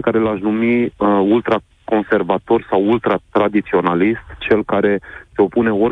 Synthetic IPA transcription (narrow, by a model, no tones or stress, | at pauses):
kaɾe̞laʃnumiult̪ɾa | ko̞nse̞rvat̪o̞rsawult̪ɾat̪ɾad̪it̪sio̞nalist̪t͡ʃe̞lkaɾe̞seo̞pune̞o̞